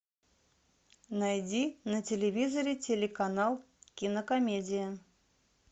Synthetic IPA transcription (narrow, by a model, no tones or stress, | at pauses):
najdʲinətʲelʲevʲizoɾʲɪtʲelʲekanɑlˠ | kʲinəkomʲedʲɪjə